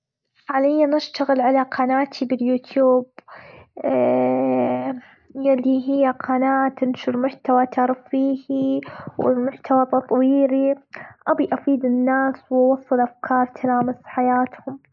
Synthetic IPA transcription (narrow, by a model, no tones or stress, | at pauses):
ħalɪjːanɪʃt̪aɣɪlʕalaqʰɑnaːt̪ʰibɪljuːt̪juːb | jalːiɦɪjːaqʰɑːnaːt̪ɪnʃʊɾmʊħt̪awat̪ʰɑɾˤfiːhiwɪmʊħt̪awat̪ɑt̪ˤwiːliʔabiʔafiːd̪ɪnːaːswwɑsˤːɨlʔafkʰɑːɾˤt̪ʰalaːmɪsħajaːt̪hʊm